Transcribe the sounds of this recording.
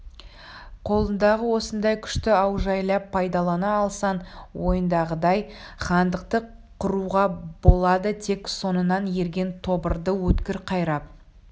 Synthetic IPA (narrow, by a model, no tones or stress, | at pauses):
qʰo̞lˠənd̪ɑʁəwo̞sənd̪ɑjkʲʰʏ̥ʃt̪ɪɑwʒɑjlˠɑpʰːɑjd̪ɑlˠɑnɑːlˠsɑnwo̞jənd̪ɑʁəd̪ɑj | χɑnd̪əqt̪ə | qʰʊɾuʁɑbo̞lˠɑd̪ət̪ʰe̞kso̞nənɑnje̞ɾɡʲe̞nt̪ʰo̞bəɾd̪əwɵt̪kʲɪɾqʰɑjɾɑp̚